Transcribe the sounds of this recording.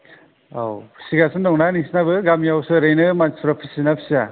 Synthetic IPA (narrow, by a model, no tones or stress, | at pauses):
awʰsiɡasɯndɔŋnaniŋsnabɯɡamjawsɯɾejnɯmasuɾapʰisinapʰi̥sia